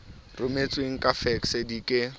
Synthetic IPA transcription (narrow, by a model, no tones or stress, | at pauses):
rʊmet͡sʼweŋ̩kʼafɛksedikʼɪ